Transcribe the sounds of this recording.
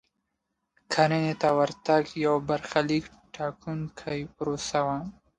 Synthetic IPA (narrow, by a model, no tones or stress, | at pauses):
kʰaɾenet̪awaɾt̪aɡjawbaɾxalik | ʈʰɑkʰunkʰajpɾosawa